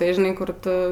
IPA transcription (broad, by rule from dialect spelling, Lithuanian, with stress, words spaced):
tɐɪ ʒʲɪˈnɐɪ ˈkʊr ˈtʊ